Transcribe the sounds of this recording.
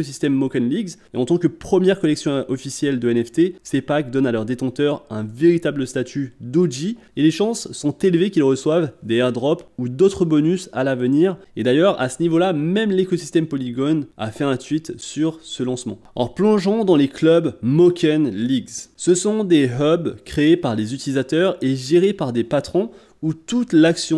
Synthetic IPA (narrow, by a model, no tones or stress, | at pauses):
ɔsist̪ɛmːɔkɛnliɡzeɑ̃t̪ɑ̃kəpχəmjɛʁkɔlɛksjɔ̃ɔfisjɛld̪əɛnɛft̪esepak̚d̪ɔnalœʁd̪et̪ɑ̃t̪œʁɛ̰̃veʁit̪abləst̪at̪ʰyd̪oʒi | eleʃɑ̃sːɔ̃t̪elvekʲilʁəswavd̪eɛʁd̪ʁɔpud̪ot̪χəbɔnysa̰lavəniːʁed̪ajœʁa̰sənivolamɛmlekɔsi̥st̪ɛmpɔliɡɔna̰fɛɛ̃sɥit̪syʁsəlɑ̃smɑ̰̃ɔ̰ʁplɔ̃ʒɑ̃d̪ɑ̃leklœbmɔkʲʰɛnliɡzsəsɔ̃d̪eɦœbkχeːpaʁlezyt̪ilizat̪œʁeʒeʁepaʁd̪epat̪χɔ̃ | ut̪ut̪laksjɔ̃